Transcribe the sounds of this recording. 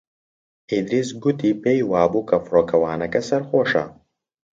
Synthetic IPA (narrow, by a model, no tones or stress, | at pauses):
id̪ɾisɡut̪iːpeːjwaːbukʰɐfɾoːkʰɐwaːnɐkɐsɐɾxoːʃɐ̰